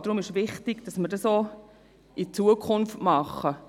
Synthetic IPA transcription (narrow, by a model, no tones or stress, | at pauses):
d̥ɾʊmɪʃvɪχtɪɡ̥d̥ɑsməɾdɑso | it͡suəkʰʊnftmɑχə